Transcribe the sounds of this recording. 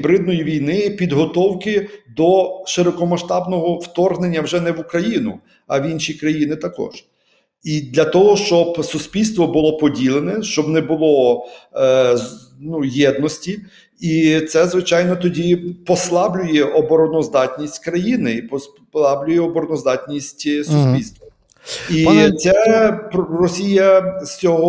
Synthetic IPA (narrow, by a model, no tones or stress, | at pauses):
bɾɪd̪̚nɔjiʋʲijnɪpʲid̪ɦɔt̪ɔwkɪd̪ɔʃɪɾɔkɔmɐʃt̪ɑbnɔɦɔwt̪ɔrɦnenʲːɐwʒɛnɛʋukɾɐjinʊ̰ | ɐ̰ʋʲinʃʲikɾɐjinɪt̪ɐkɔ̰ʒ̥ | id̪lʲɐt̪ɔɦɔʃt͡ʃɔbsʊsʲpʲilʲst̪ʋɔbʊlˠɔpɔdʲilˠenɛʃt͡ʃɔbnɛbʊlˠɔ | nujɛd̪nɔsʲtʲi | it̪sɛzʋɪt͡ʃɑjnɔt̪ɔdʲipɔslˠɑblʲʊjɛʔɔbɔɾɔnɔzd̪ɑtʲnʲisʲtʲkɾɐjinɪipɔ | lˠɑblʲʊjɛɔbɔɾɔnɔzd̪ɑtʲnʲisʲtʲsusʲpʲilʲst̪ʋɐ | it̪sɛprɔsʲijɐsʲt͡sʲɔɦɔ